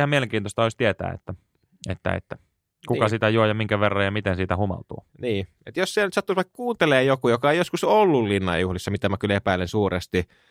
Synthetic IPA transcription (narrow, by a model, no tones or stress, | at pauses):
hɑmieleŋkiːt̪ost̪ɑoisʲt̪iet̪æ̰ːḛt̪ːæ | ḛt̪ːæ̰ḛt̪ːæ | kukɑsit̪æjuojɑmiŋkæʋerːɑjjɑmit̪ensiːt̪æhumɑ̰lt̪ṵːniː | et̪jossielnyt̪sɑt̪ːusʋɑikkuːnt̪eleːjokujokɑeijoskusolːullinːɑ̰juhlisːɑmit̪æmækylepæilensuːrest̪i